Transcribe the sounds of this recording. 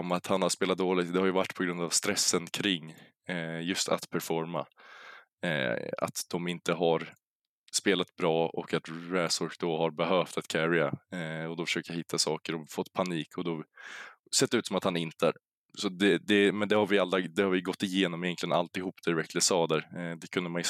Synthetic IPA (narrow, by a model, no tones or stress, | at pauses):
ɔmat̪hanhaspeːlat̪̚d̪oːlɪt̪̚d̪ɛhaɾjəvaʈːpʰɔɡɾɵnd̪avst̪ɾɛsːənkʰɾɪŋː | jɵst̪ʰa̰t̪pʰæɾfɔɾma̰ | a̰t̪d̪̥ɔmɪnt̪əɦaɾ | speːlat̪bɾɑːʔɔ̰kːat̪ɾɛsɔɾkd̪ɔhaɾbɛɦœːft̪at̪kʰæɾɪaɔd̪ɔfœ̥ʂøːkajhɪt̪ʰːasɑːkəɾɔfɔt̪ːpʰaniːkʰɔd̪ɔ | sɛt̪ːɛʉːt̪sɔmat̪hanɪnt̪əæ̰ːɾ | sɔd̪ɛd̪ɛmɛnd̪ɛhaɾvɪalːɾad̪ɛhaɾvɪjɡɔt̪ːɪjeːnɔmɪjɛnk̪ʰlɪəna̰lt̪ɪhuːpːd̪̥ɛɾɛkləsɑːd̪æɾd̪ɛkʰɵnd̪əmanj